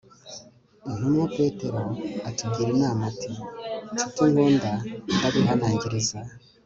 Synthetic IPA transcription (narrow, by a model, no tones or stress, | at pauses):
un̥umŋape̞ːte̞ɾo̞atuɡiɾinaːmatʰititiŋɡoːndandaβiɦanaːɲɟiɾiza